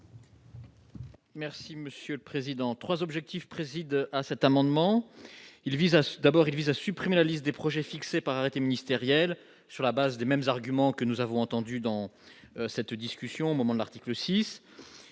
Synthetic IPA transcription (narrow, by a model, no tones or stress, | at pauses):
mɛʁsiməsjøləpχezid̪ɑ̃t̪χwazɔbʒɛk̚t̪ifpχezid̪asɛt̪amɑ̃d̪mɑ̃ | ilvizad̪abɔʁilvizasypχimelalist̪̚d̪epχɔʒɛfiksepaʁaʁet̪eminist̪eʁjɛl | syʁlabazd̪emɛmzaʁɡʲymɑ̃kənuzavɔ̃ɑ̃t̪ɑ̃d̪yd̪ɑ̃sɛt̪d̪iskʲysjɔ̃omɔmɑ̃d̪əlaʁt̪i̥kləsis